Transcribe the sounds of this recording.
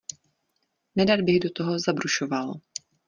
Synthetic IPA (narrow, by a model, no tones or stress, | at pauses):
nɛdaɾbɪɣdo̞t̪oɦo̞zabɾuʃoval